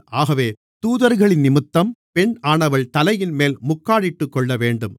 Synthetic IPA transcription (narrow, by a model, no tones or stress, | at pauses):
ʔaːɣɐʋeː | t̪uːðɐɾɣɐɭɪnnɪmɯt̪ːɐmpɛɳaːɳɐʋɐɭt̪ɐlɐjɪnmeːlmʊkːaːɽɪʈːɯkːɔɭːɐʋeːɳɖɯm